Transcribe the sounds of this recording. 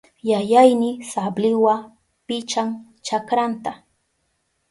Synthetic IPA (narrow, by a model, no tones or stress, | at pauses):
jajajnɪsablɪwa | pɪt͡ʃaŋ | t͡ʃakɾant̪a